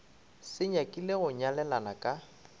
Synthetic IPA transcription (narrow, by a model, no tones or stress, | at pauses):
sɪɲakʼɪlɪɣʊɲalɛlanakʼa